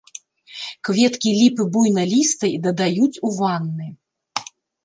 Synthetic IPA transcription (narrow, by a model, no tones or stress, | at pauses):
kvʲɛt̪kʲilʲipɨbujnɐlʲist̪ɐjd̪ɐd̪ajut͡sʲuvanːɨ